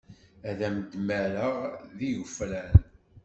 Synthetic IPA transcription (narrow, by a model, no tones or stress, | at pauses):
æðæməd̪mæɾəʁðijufɾæn